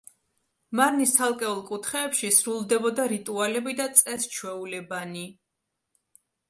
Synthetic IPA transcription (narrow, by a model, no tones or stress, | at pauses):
maɾnist̪ʰalˠkʼɛulˠkʼut̪ʰχɛːpʃisɾulˠd̪ɛbɔd̪aɾit̪ʼualɛbid̪at̪sʼɛst͡ʃʰwɛulɛbani